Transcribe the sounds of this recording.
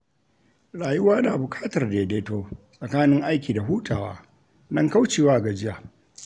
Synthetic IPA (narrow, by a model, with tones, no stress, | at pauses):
ɽaː˨jʊ˦waː˦da˨bʊ˨kʼaː˦tɐ˨rdeː˨deː˦toː˦sʼɐ˨kaː˦nɪ˦ŋʔa˦jkʲiː˨da˨ɦuː˦tʰaː˨wa̰ː˦ | nɐ˦ŋka˦wt͡ʃeː˨waː˦˨ɡa˨d͡ʒɪ˦jaː˨